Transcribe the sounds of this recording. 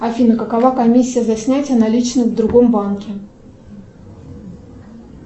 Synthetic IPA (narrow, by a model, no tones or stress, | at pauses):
ɐfʲinəkəkɐvakɐmʲisʲːɪjəzɐsʲnʲætʲɪənɐlʲit͡ɕnəvd̪ɾʊɡo̞mbankʲɪ